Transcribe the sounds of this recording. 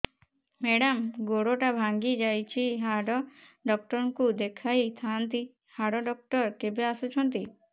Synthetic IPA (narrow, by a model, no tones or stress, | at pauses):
meɽamɡoɽoʈabʱaŋɡid͡ʒajt͡ʃʰiɦaɖɔɖɔk̚ʈɔɾŋkud̪ekʰajt̪ʰant̪i | haɽɔɖɔk̚ʈɔɾkebeasut͡ʃʰɔnt̪i